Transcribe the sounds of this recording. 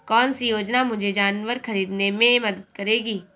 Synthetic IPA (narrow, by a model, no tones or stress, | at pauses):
kɔːnsijoːd͡ʒnamʊd͡ʒʱed͡ʒaːnʋəɾxɐɾiːd̪nemẽmɐd̪əd̪kɐɾeːɡiː